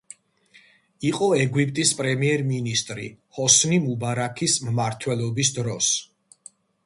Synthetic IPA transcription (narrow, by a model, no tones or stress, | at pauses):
iqʼɔɛɡwipʼt̪ʼispʼɾɛmiɛɾminist̪ʼɾḭhɔsnimubaɾakʰismmaɾt̪ʰwɛlˠɔbisd̪ɾɔs